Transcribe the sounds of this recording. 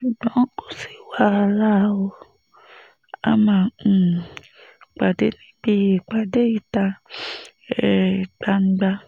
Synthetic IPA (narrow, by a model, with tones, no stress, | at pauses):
ʃu˨ɡ͡bɔ̃˨˦ko̥˨si˨wa˧˦˧la˦o˧ | a̰˦mã˨ | k͡pa˨de˨˦nĩ˦bi˦e˨k͡pa˨de˦i˦˨ta˧ | ɛ˦i˨k͡pa˧n̩˦ɡ͡ba˧